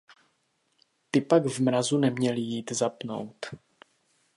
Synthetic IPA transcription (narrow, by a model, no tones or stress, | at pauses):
t̪ɪpaɡvmɾazunɛmɲɛlɪjiːt̪zapno̞̰wt̪